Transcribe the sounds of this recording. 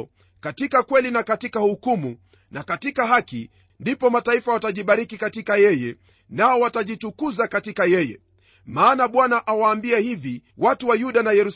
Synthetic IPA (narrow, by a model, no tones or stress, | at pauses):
katikakwɛlinakatikahukumu | nʔakatikaɦakḭ | ndipɔmataifawataʄiɓaɾikikatikajɛjɛ | naɔwataʄitukuzakatikajɛjɛ̰ | maːnaɓwanaʔawaːmbiɛhiviwatuwajuɗanajɛɾus